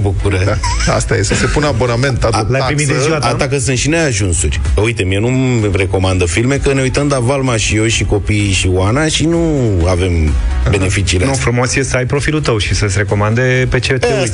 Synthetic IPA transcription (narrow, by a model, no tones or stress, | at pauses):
bukuɾə | ast̪ajesəsepunabo̞name̞nt̪atlajpɾimitd̪ezziwat̪at̪akəsɨnt̪ʃineaʒunsurʲəujt̪emienu | re̞ko̞mand̪əfilme̞kəne̞ujt̪əmd̪avalmaʃijewʃiko̞piːʃiwanaʃinuave̞mbe̞ne̞fit͡ʃiːlenofɾumo̞sjesəajpɾo̞filut̪əwʃisəsʲɾe̞ko̞mand̪e̞pe̞t͡ʃet̪e